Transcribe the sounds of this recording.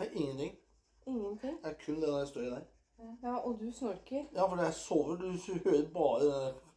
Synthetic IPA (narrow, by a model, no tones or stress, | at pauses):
æʔɪŋːənt̪ʰɪŋː | ɪŋːənt̪ɪŋd̪ɛæɾkʰʉnːd̪ɛnɔɾd̪æst̪oːɾɪd̪æɪ | jɑːʔɔd̪ʉsmœɾkəɾjɑːfɔɖɛæsɔʋəd̪ʉhøːɾəɾbɑːɾəd̪ɛn